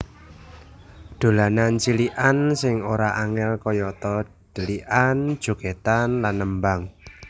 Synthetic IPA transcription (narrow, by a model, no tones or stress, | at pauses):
d̪̥o̤lanant͡ʃiliʔansɪŋoɾaʔaŋɛlkɔjɔt̪ɔ | d̪̥ə̤liʔan̥ʒ̥o̤ɡ̥et̪anlanːəmbaŋ